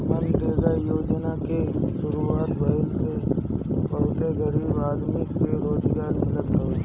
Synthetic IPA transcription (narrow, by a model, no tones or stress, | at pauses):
mənd̪eːɡ̪ajoːd͡ʒnakeʃʊɾuaːt̪bəɪlse | bɐɦʊt̪eɡəɾiːbaːd̪mɪkːɾoːd͡ʒɡaːɾmɪlət̪ɦə